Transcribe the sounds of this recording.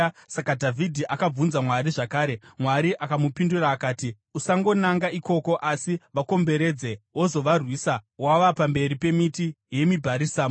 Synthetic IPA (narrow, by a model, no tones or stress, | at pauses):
sakadʱavʱidʱiʔakab͡vunzamwaɾiʐakaːɾe̞mwaɾiʔakamupinduraːkaːti | usaŋɡo̞naŋɡaiko̞ko̞ʔasiʋako̞mbe̞ɾe̞d͡zewozo̞ʋarwiːsawaʋapambe̞ɾipe̞miti | je̞mibʱaɾisaːm